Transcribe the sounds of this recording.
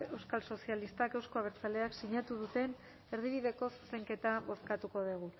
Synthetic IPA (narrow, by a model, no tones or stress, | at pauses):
e̞wskalso̞sialist̪ake̞wsko̞aβeɾt͡sale̞aksiɲat̪uðut̪e̞n | e̞ɾð̞iβiðe̞ko̞su̥se̞ŋke̞t̪aβo̞skat̪uko̞ð̞eɣ̞u